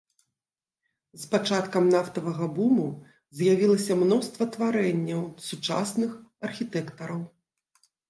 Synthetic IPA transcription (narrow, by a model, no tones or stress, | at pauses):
spat͡ʂat̪kɐmnaft̪ɐvɐɣɐbumu | zʲjavʲilˠɐsʲɐmnɔst̪vɐt̪vaɾɛnʲːɐwsut͡ʂa̰snɨxɐrxʲit̪ɛkt̪ɐɾɐw